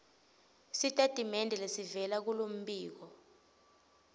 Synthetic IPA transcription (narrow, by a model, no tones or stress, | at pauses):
sitʼatʼimɛndʱɛlesivɛlak̬ulom̩biːk̬ɔ